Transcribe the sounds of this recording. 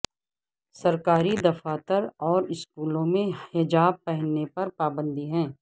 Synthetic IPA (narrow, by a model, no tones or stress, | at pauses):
sɐɾkaːɾid̪ɐfaːt̪əɾɔːɾɪskuːlõmẽhɪd͡ʒaːb̚pɛɦənːepɐɾpaːbə̃nd̪iɦɛ̃ː